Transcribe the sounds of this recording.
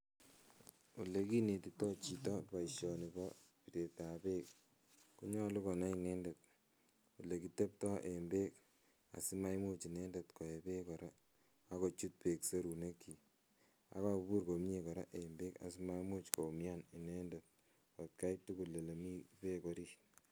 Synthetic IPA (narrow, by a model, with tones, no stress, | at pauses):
u˨le˨ki˦ne˨ti˨tɔ˦t͡ʃi˨tɔ˦pa˨iʃjɔ˨ni˨bɔ˦ | pi˨te˨ta˨pe˦k̚ | ku˦ɲɔ˦lu˦kɔ˨na˦i˨ne˦nde˨t̚ | u˨le˨ki˨te˦p̚tɔ˦ʔe˨mbe˦k | a̰˨si˦ma˦jmu˦t͡ʃi˨ne˦nde˨tkɔ˨e˨pe˦kɔ˨ɾa˦ | a˦ko˨t͡ʃu˦t̚pe˨kse˦ɾu˨ne˦kʰi˨ | a̰˨ka˦u˨bu˦ɾko˨m˦ɲe˨kɔ˨ɾa̰˦ʔe˨mbe˦ka̰˨si˦ma˦mu˦t͡ʃko˨mja˦ni˨ne˦nde˨t̚ | kɔ˨t̚ka˦itu˦ku˨lːe˨le˨mi˦pe˦ko˦ɾi˦